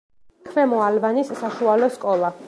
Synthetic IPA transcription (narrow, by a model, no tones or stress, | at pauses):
kʰvɛmɔalvanisːaʃualɔskʼɔlˠa